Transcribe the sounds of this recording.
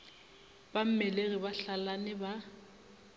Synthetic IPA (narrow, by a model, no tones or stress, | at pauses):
b̥am̩mɛleɣibaɬalanɪba